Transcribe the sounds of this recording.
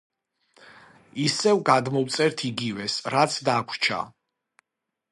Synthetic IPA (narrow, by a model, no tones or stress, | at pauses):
isɛvɡad̪mɔwt̪sʼɛɾt̪ʰiɡivɛsɾat̪sʰd̪akʷʰt͡ʃʰa̰